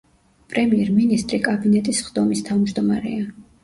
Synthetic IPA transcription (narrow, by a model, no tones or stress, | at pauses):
pʼɾɛmiɛɾminist̪ʼɾikʼabinɛt̪ʼisχd̪ɔmist̪ʰavmd͡ʒd̪ɔmaɾɛ̰a